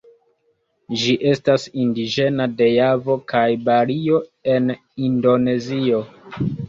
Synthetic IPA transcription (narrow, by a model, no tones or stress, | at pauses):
d͡ʒiʔe̞stasindid͡ʒe̞nade̞javo̞kʰajbaɾio̞e̞n | indo̞ne̞zio